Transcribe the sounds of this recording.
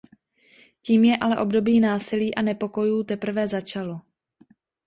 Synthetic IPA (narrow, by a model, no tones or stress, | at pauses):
ciːmjɛʔalɛʔo̞bdo̞biːnaːsɪliːʔanɛpo̞ko̞juːt̪ɛpr̩vɛzat͡ʃalo̞